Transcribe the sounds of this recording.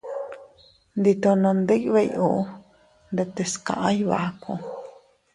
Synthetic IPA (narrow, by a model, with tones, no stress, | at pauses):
nd̪i˧t̪o˧nã˧nd̪ɨ˦ʔβe˧jʔu˧ʔ | nd̪e˧t̪e˧skã̰˨ʔã˦jβa̰˨ʔko˧˨